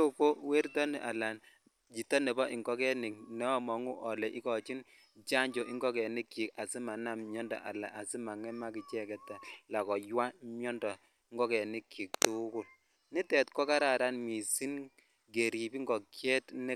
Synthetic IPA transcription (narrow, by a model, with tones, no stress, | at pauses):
u˦ko˦we˦ɾtɔ˦ni˨ʔa˨la˨n | d͡ʒi˨tːɔ˦nɛ˨bɔ˦ʔi˨ŋɡɔ˦kɛ˦nɪ˨k̚nɛ˦ɔ˦mɔ˨ŋu˦ʔɔ˨lɛ˨ʔi˦kɔ˨t͡ʃi˦n | t͡ʃa˦ɲd͡ʒɔ˨ʔi˦ŋɡɔ˦kɛ˨nɪ˦kːi˨ka˨si˦ma˨na˦mɲɔ˦ndɔ̰˨ʔa̰˨la̰˨ʔa˨si˦ma˨ŋɛ˦ma˦ki˨t͡ʃɛ˦kɛ˨tːa˨la˨kɔ˨jwa˦mjɔ˦ndɔ˨˦ | ŋɡɔ˦kɛ˨nɪ˦kːi˨k̚tu˦kʊ˨l | ni˦tɛ˨tkɔ˦ka˦ɾa˨ɾa˦nmi˨si˦n | ɡe˨ɾi˨bi˦ŋɡɔ˨kjɛ˦tnɪ˦